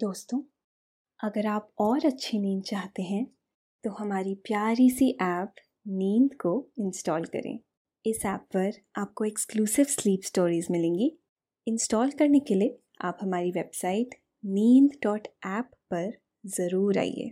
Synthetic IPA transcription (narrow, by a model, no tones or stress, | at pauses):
d̪̥oːst̪õː | ɐɡəɾaːpɔːɾɐtːʃʰiniːnd̪̚t͡ʃaːɦt̪eɦɛ̃ | t̪oɦɐmaːɾipjaːɾisiʔɛːp | niːnd̪koɪ̃nsʈɔːlkɐ̰ɾḛ̃ː | ɪsɛːpːɐɾaːp̚koekskluːsɪʋsliːpsʈoːɾiːzmɪlẽːŋɡi | ɪ̃nsʈɔːlkɐɾnekelie | a̰ːpɦɐmaːɾiʋeːbsaːɪʈ | niːnd̪ɖɔːʈɛːpːɐɾ | zɐɾuːɾa̰ːḭḛː